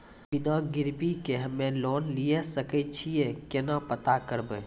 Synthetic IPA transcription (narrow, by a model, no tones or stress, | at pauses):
bɪnãɡɪɾpikeɦəmẽloːnlijesəkət͡ʃʰiekenãpət̪akəɾbe